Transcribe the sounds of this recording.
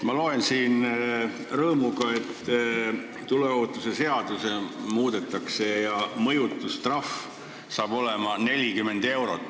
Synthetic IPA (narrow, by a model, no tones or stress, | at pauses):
mɑlo̞e̞nsiːn | rɤːmuɡɑe̞t̪ː | t̪ːule̞oːt̪ːˑuse̞se̞ɑd̪̥use̞muːd̪̥e̞t̪ːˑɑkse̞jɑmɤjut̪ːˑust̪rɑf | sɑːb̥o̞le̞mɑnelʲikyme̞nd̪̥e̞wɾo̞̰t̪ːˑ